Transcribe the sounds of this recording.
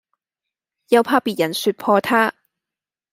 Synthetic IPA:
jɐ˨˧wpʰaː˧piː˨t̚jɐ˨˩nsyː˧t̚pʰɔː˧t̪ʰaː˥

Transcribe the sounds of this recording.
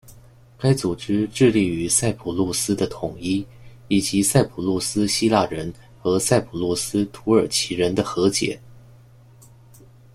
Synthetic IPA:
ka˥ɪt͡su˨˩ʈ͡ʂɻ̩˥ʈ͡ʂɻ̩˥˧li˥˩y˧˥sa˥˩ɪpʰu˨˩lu˥˩sɹ̩˥d̪ə˨t̪ʰʊ˨˩ŋi˥ | i˨˩t͡ɕi˧˥sa˥˩ɪpʰu˨˩lu˥˩sɹ̩˥ɕi˥la˥˩ɻə˧˥n | xɤ˧˥sa˥˩ɪpʰu˨˩lwɔ˥˩sɹ̩˥t̪ʰu˧˥ə˞˨˩t͡ɕʰi˧˥ɻə˧˥nd̪ə˧xɤ˧˥t͡ɕjɛ̰˨˩˦

